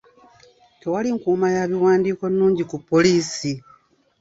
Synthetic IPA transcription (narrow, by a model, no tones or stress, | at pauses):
tewaliŋkuːmajaβiwaːndiːko̞nːuːɲɟikupːo̞liːsi